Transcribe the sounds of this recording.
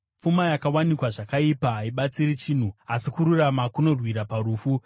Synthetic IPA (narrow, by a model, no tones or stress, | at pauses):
umajakawanikwaʐakaipaɦaiɓat͡siɾit͡ʃiːn̤uasikuɾuramakuno̞rwiɾapaɾuːfu